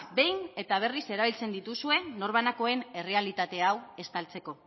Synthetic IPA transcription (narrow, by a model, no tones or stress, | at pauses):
be̞jne̞t̪aβ̞e̞rise̞ɾaβilt͡se̞nd̪it̪usue̞no̞ɾβ̞anako̞e̞ne̞re̞alit̪at̪e̞awe̞st̪alt͡se̞ko̞